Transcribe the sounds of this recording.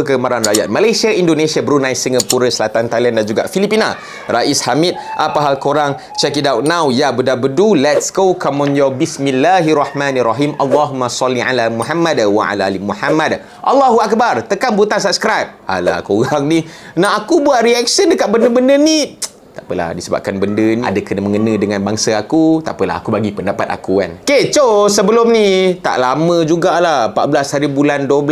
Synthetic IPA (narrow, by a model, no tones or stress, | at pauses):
əkəmaɾanraja̰t̪̚malajsiaʔindonesiabəɾunãjsiŋɡapuɾəsəlat̪ant̪aliandand͡ʒuɡa̰ʔfilipina̰ | raʔishamit̪̚ʔapaɦalkoɾaŋ | t͡ʃɛkidawt̚nawjabədabədulɛtsɡokʰamɔ̃njɔbismilːaɦrɑħmãnraɦimʔalːaɦumasɔlːiʕa̰lamuħamːadwaʕa̰laalimuħamad | ʔɑlːaɦuak̚bart̪əkanbut̪ansap̚skɾajp̚a̰la̰koɣaŋninaɦakubuat̪ɾiɛk̚səndəkaʔ̪̚bəndəbəndəni | t̪aʔpəla̰hdisəba̰p̚kanbəndənia̰dakənəməŋənə̃dəŋanbaŋsaakut̪a̰pəla̰ɦa̰kubaɡipəndapat̪̚a̰kua̰nket͡ʃosəbəlʊmnit̪a̰ʔlamə̃d͡ʒuɡalahəpa̰t̪̚blashaɾibulandobəl